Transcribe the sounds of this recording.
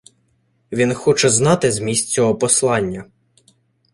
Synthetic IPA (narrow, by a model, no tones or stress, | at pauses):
ʋʲinxɔt͡ʃɛznɑt̪ɪzmʲisʲtʲt͡sʲɔɦɔpɔslˠɑnʲːɐ